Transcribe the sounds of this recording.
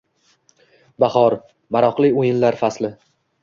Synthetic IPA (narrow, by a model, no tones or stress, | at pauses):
bahɒɾ | maɾɒqlɪojɪnlaɾfaslɪ